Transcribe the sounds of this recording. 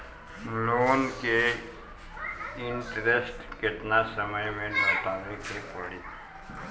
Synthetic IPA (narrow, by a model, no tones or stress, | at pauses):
loːnke | ɪɳʈɾesʈkɪt̪nasəməjmẽnoːʈ̪aːʋikepəɽiː